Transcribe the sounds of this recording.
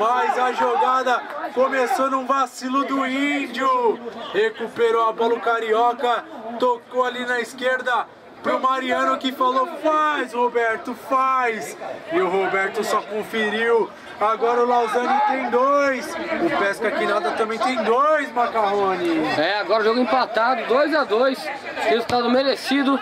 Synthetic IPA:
fajzɐʒoɡad̪ɐkomesonũvasilʊd̪ʊĩd͡ʒʊhekupeɾoabɔlʊkaɾiɔkɐt̪okowalinɐiskeɾd̪ɐ | pɾʊmaɾiɐ̃nʊkɪfalofajshobɛɾt̪ʊfajsɪʊɦobɛɾt̪ʊsɔkõfeɾiw | aɡɔɾɐʊlawzɐ̃nt̪ẽj̃d̪ojsʊpɛskɐkɪnad̪ɐt̪ɐ̃mbẽj̃t̪ẽj̃d̪ojzmakaɦõnɪɛaɡɔɾɐʊʒoɡʊĩpat̪ad̪ʊd̪ojzad̪ojs | hezut̪ad̪ʊmeɾesid̪ʊ

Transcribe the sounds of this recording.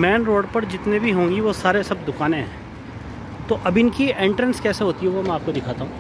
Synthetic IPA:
mɛːnɾoːɖpɐɾd͡ʒɪt̪nebʱiɦõːŋɡiʋosaːɾesɐb̚d̪ʊkaːnẽɦɛ̃ː | t̪oʔɐbɪnkiẽːɳʈɾə̃nskɛːseɦoːt̪iɦɛ̃ʋomɛ̃aːp̚kod̪ɪkʰaːt̪aɦũː

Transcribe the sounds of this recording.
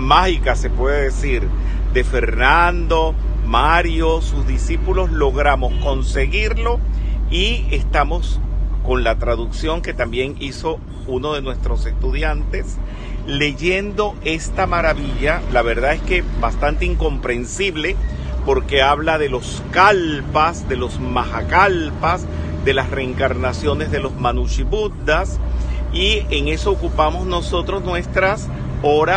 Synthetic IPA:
maxikase̞pwe̞ðeðesiɾ | d̪e̞feɾnand̪o̞ | maɾjosuzðisipulo̞zlo̞ɣɾamo̞sko̞nse̞ɣiɾlo̞iest̪amosko̞nlat̪ɾaðuksjo̞ŋke̞t̪ambje̞ŋiso̞ | uno̞ðe̞nwe̞st̪ɾo̞se̞st̪uðjant̪e̞s | le̞ʝe̞nd̪o̞e̞st̪amaɾaβiʎalaβe̞ɾðae̞ske̞bast̪ant̪e̞iŋko̞mpɾe̞nsiβle̞ | po̞ɾke̞aβlaðe̞lo̞s | kalpasd̪e̞lo̞zmaxakalpas | d̪e̞lasreːŋkaɾnasjo̞ne̞zðe̞lo̞zmanut͡ʃiβund̪asieŋe̞so̞ːkupamo̞zno̞so̞t̪ɾo̞snwe̞st̪ɾas | o̞ɾa

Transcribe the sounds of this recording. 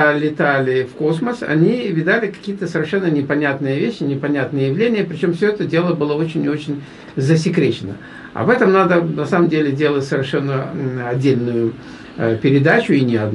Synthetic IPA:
lʲɪt̪alʲɪfko̞sməsɐ̰nʲivʲɪd̪alʲɪkɐ̥kʲijət̪əsəvʲɪrʂɛnːənʲɪpɐnʲat̪nɨjəvʲeɕːɪnʲɪpɐnʲat̪nɨjəjɪvlʲenʲɪjəpɾʲɪt͡ɕo̞mfsʲoɛt̪ədʲe̞lˠəbɨlˠəo̞t͡ɕɪnʲo̞t͡ɕɪnʲ | zəs̬ʲɪkɾʲet͡ɕɪnə̰ | ɐ̰vɛt̪əmnad̪ənɐsaməmdʲelʲɪdʲe̞lˠətʲsəvʲɪrʂɛnːəɐdʲːelʲnʊjʊ | pʲɪɾʲɪd̪at͡ɕʊinʲɪɐd̪

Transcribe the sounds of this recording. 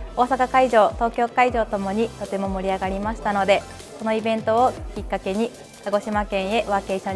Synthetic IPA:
o̞ːsakakaiʑo̞ːt̪o̞ːkʲo̞ːkaiʑo̞ːt̪o̞mo̞ɲ̟it̪o̞t̪e̞mo̞mo̞ɾʲiaɡaɾʲimaɕi̥t̪ano̞d̪e̞ | ko̞no̞ibẽ̞nt̪o̞ːkʲikːake̞ɲ̟i | kaɡo̞ɕimakẽ̞ɰ̃e̞ʔɯβake̞ːɕõɲ

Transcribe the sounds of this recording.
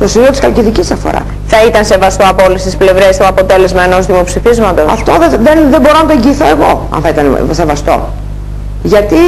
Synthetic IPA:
t̪o̞simiot̪iskɐlciðicisɐfo̰ɾɐ̰s | θɐit̪ɐnse̞vɐst̪oɐpo̞list̪isple̞vɾe̞st̪oɐpo̞t̪e̞le̞zmɐe̞no̞zðimo̞psifizmɐt̪o̞sɐ̰ft̪o̞ðeðenðembo̞ɾo̞nɐt̪oẽ̞ɲɟiːθo̞e̞ɣo̞ɐ̰nθɐit̪ɐnḛse̞vɐst̪o̞̰ | ʝɐt̪i

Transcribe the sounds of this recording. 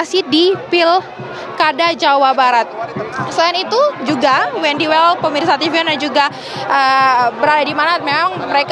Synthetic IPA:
sidipɪl | kadad͡ʒawabaɾat̪̚səlaanit̪ud͡ʒuɡawɛndiwɛlpəmirsat̪ifiɔnand͡ʒuɡa | ʔəbəɾadadimanat̪̚memaŋməɾek

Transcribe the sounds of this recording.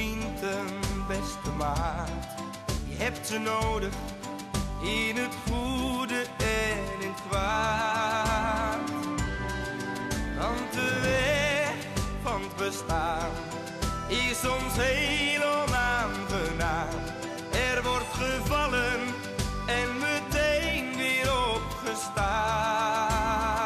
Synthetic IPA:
intənbɛstəmaːt | jəɦɛp̚tsənowdəχ | ɪnətχudəɛnɪnkʋa | t | dɑntəʋɛ | fɑntbəstaːn | ɪsɔmsɦejləmaːnχənaːn | ɛrvɔrtχəvɑlən | ɛnmətejnʋɪːɾɔpχəsta

